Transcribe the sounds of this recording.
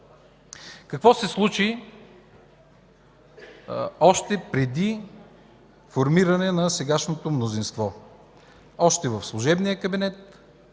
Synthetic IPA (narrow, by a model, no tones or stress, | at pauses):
kɐkvɔsɛslˠut͡ʃi | ɔʃt̪ɛpɾɛd̪i | foɾmiɾɐnɛnɐsɛɡaʃnot̪omnozinst̪vɔ | ɔʃt̪ɛvəfslˠuʒɛbnijəkəbinɛt̪̚